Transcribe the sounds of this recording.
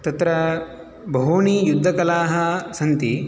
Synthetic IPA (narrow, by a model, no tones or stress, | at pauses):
t̪ɐt̪ɾɐ | bʱɐɦuːɳiːjud̪ʱːɐkɐlaːɦɐ̆sɐnt̪i